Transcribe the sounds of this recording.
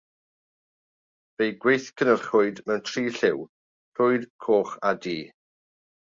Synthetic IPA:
v̥ejɡwejθkʰənərχʊɨdmɛwntʰriːɬɪw | r̥ʊɨdkʰoːχadiː

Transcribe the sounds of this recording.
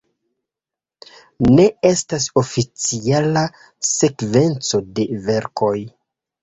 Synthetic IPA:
ne̞e̞stas̬o̞fit͡siala | se̞kve̞nt͡so̞de̞ve̞ɾkʰo̞j

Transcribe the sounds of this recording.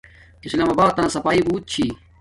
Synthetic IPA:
kislaːmabaːd̪̚t̪ɐnasɐpaːibuːt̪̚t͡ɕʰiː

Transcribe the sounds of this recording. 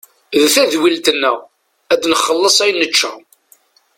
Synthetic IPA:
ðθæðwilt̪ənːæ̰ | æd̪nəχːəlːəsˤæjnːət͡ʃːæ̰

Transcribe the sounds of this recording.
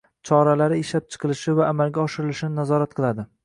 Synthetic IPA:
t͡ʃʰɒɾalaɾɪeʃlap̚t͡ʃʰɨ̥qʰɨlˠɪʃɪvaːmalɡʲaɒʃɪɾɪlɪʃɪnɪnazɒɾat̪̚qʰɨlˠad̪ɪ

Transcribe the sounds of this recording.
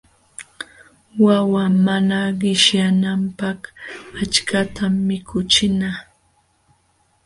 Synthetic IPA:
wawamanaɢɪʃjanampakat͡ʃkat̪amːɪkʰʊt͡ʃɪna

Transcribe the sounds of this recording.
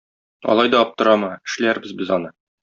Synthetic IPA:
ɒ̰lˠɑjd̪ɒɒp̚t̪ɤ̆ɾɑmɤɘ̆ʃlæɾbɘzbɘzɒnɤ

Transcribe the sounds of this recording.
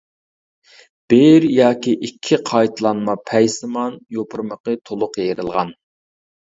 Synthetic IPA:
b̥eɾjɑːkʲiʔikʲʰːiqʰɑjt̪ʰlˠɑnmɑpʰɛjsɨmɑnjopʰʊɾməqət̪ʰolˠʊqjeɾɨlˠʁɑn

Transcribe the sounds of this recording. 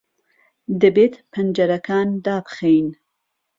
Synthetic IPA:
d̪ɨbeːt̪pʰɐnd͡ʒɐɾɐkaːnd̪aːbxejn

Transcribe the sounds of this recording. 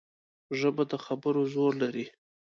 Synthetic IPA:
ʒəbad̪əxabəɾozoɾlaɾi

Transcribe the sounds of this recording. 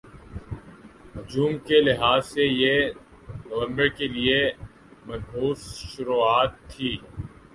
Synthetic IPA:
ɦʊd͡ʒuːmkelɪɦaːzseje | nəʋə̃mbəɾkelie | mɐnɦuːsʃʊɾuːaːt̪ʰːiː

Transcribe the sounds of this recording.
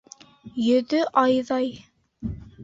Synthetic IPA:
jɵ̆ðɵʔɑjðɑj

